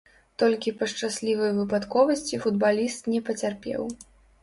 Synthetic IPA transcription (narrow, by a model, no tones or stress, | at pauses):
t̪ɔlʲkʲipɐʂt͡ʂasʲlʲivɐjvɨpat̪kɔvɐsʲt͡sʲifud̪̚balʲist̪nʲɛpɐt͡sʲarpʲɛ̰w